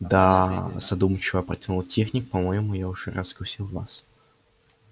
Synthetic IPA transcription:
d̪az̥ɐd̪umt͡ɕɪvəpɾɐtʲɪnulˠtʲexnʲɪkpɐmojɪmʊjaʊʐ̥ɛrɐzɡʊsʲilˠva̰s

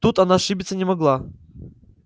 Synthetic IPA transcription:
t̪ut̪ɐnaʂɨbʲɪt̪sənʲɪmɐɡlˠa

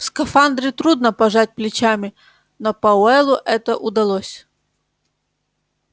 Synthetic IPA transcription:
fskɐfand̪ɾʲɪt̪ɾud̪nəpɐʐat̚ʲplʲɪt͡ɕamʲɪ | nopɐʊɛlˠʊʔɛt̪əʔʊd̪ɐlˠosʲ

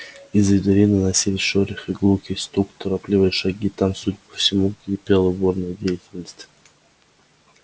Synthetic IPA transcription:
izvʲɪd̪eɾʲinɨnasʲilʲɪsʲʃoɾʲɪxiɡˠukʲist̪ɾukt̪oɾaplʲivɨjʂaɡʲit̪amsudʲpə̥fsʲɪmuɡipʲelˠəbornɨjdʲejɪtʲɪlʲnəsʲtʲ

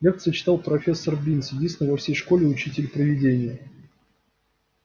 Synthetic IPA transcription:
lʲek̚t̪sɨjət͡ɕɪ̥t̪ɑlˠpɾɐfʲe̞sːərbʲinsjɪdʲinst̪ʲɪnɪvɐfsʲejʂkolʲɪʊt͡ɕitʲɪlʲpɾəvʲɪdʲenʲɪjə

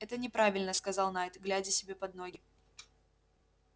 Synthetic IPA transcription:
ɛt̪ənʲɪpɾavʲɪlʲnəskɐzɑlˠnajt̪ɡlʲædʲɪsʲɪbʲe̞pɐd̪̚noɡʲɪ

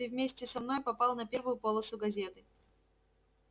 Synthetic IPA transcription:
ɪvʲmʲesʲtʲɪsɐmno̞jpɐpɑlˠnɐpʲe̞rvʊjʊpolˠəsʊɡɐzʲe̞t̪ɨ

